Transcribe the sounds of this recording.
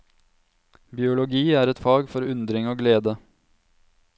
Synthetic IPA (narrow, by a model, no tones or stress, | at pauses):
bɪʊlʊɡiːæːɾɛt̪fɑːɡfɔɾʉnd̪ɾɪŋoːɡleːd̪ə